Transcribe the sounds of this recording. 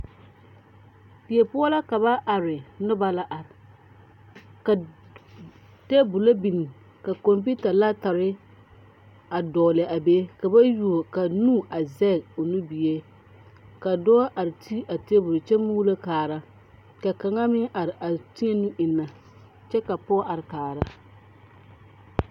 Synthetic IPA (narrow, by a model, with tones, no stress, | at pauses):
pi˨e˨pʊ˦ɔ˦la˦ka˨βa˦ʔa˨ɾɪ˨nʊ˦ba˦la˦ʔa˨ɾɪ˨ | ka˨ | te˦bʊ˨la˦bi˨ni˨ | ka˨ko˨mp̬i˦ta˨la˦ta˨ɾɪ˦ | a˨dɔː˨lɪ˨ʔa˨be˦ka˨ba˦ju˨o˨ka˨nu˦ʔa˨zɛ˦˨o˨nu˦bi˨e˦ | ka˨dɔː˦ʔa˨ɾɪ˨tʰi˦ʔa˨te˦bʊ˨ɾt͡ʃɛ˦mu˦la˦kaː˨ɾa˦ | ka˨ka˨ŋa˦mɪ˦ŋʔa˨ɾɪ˨ʔa˨ti˦ŋe˦nu˦ʔɪ˨nːa˨ | t͡ʃɛ˦ka˨pɔ˦ʔa˨ɾɪ˨kaː˨ɾa˦